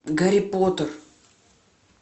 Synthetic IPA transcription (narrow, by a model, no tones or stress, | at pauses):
ɡɐɾʲipot̪ər